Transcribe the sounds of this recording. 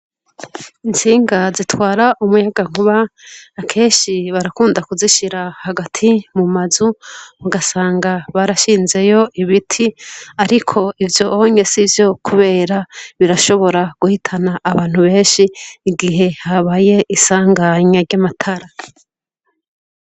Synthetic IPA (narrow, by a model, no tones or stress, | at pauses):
int͡siːŋɡazitwaːɾaʔumujaɡaŋ̥uβaakʰe̞ːnʃiβaɾakuːndakuziʃiɾahaɡatʰimumazumuɡasaːŋɡaβaɾaʃiːnze̞jo̞ʔiβitʰiaɾikʰo̞ivjo̞oɲe̞sivjo̞kʰuβe̞ːɾaβiɾaʃo̞βo̞ɾaɡ̥uhitʰanaʔːβaːn̥huβe̞ːnʃiːɡiɦe̞haβaje̞ʔisaːŋɡaɲaɾɟamatʰaɾa